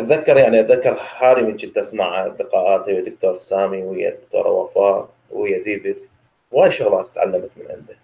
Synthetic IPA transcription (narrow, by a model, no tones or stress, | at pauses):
ʔat̪ðakːɑɾˤjaʕniʔat̪ðakːɑɾˤħaːɾimɪd͡ʒit̪ːasmaʕad̪ɪqɑːʔaːt̪hɪjːad̪ʊk̚t̪oːɾˤsaːmiwhɪjːa̰d̪ʊkt̪o̰ːɾˤa̰wa̰fɑːɾˤ | whɪjːad̪iːvɪd̪ | wʔaːjʃʊɣlɑːt̪ɪt̪ʕa̰lːamat̪mɪnʕɪ̰nd̪a